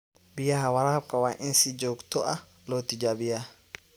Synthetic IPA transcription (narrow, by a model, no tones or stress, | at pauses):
bɪjahawɐɾaːb̚kawaːʔɪnsid͡ʒoːkt̪ɔʔa | lot̪id͡ʒabɪja